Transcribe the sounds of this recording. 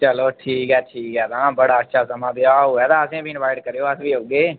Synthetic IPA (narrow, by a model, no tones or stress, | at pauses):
t͡ʃəloːʈʰiːkɦɛːʈʰiːkɦɛːt̪aːbəɽaːətːʃʰaːsəmãːb̪eaːɛːt̪ãːəsẽːbʱiːɪnʋaːɪʈkəɾjoːəsbiːoːɡeː